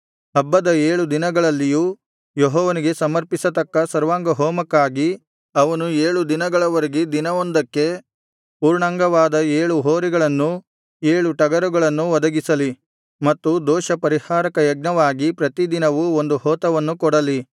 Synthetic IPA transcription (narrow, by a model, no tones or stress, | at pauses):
ɐbːɐd̪ɐeːɭud̪inɐɡɐɭɐlːijuː | joɦɔːʋɐniɡe̞sɐmɐɾpisɐt̪ɐkːɐsɐɾʋaːŋɡɐɦɔːmɐkːaːɡi | ɐʋɐnueːɭud̪inɐɡɐɭɐʋɐɾeɡid̪inɐʋond̪ɐkːe̞ | puːɾɳaːŋɡɐʋaːd̪ɐeːɭuɦoːɾiɡɐɭɐnːu | eːɭuʈɐɡɐɾuɡɐɭɐnːuʋɔd̪ɐɡisɐli | mɐt̪ːud̪ɔːʃɐpɐɾihaːɾɐkɐjɐɡ̚nɐʋaːɡipɾɐt̪id̪inɐʋuond̪uhɔːt̪ɐʋɐnːukɔɽɐli